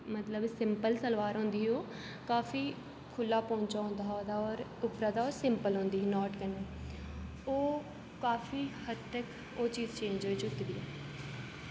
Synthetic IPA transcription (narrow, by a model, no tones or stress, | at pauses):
mət̪ləbsɪmpəlsəlʋaːɾɦõːnd̪iːɦoː | kaːfiː | kʰʊlːaːpɔ̃ːɲt͡ʃaːõːnd̪aːod̪aːɔːɾʊpɾaːd̪aːoːsɪmpəlɦõːnd̪iːɦnɔːʈkəneː | oː | kaːfiːhəd̪ək | oːt͡ʃiːzt͡ʃẽːɲd͡ʒoːiːt͡ʃʊt̪d̪iːɛː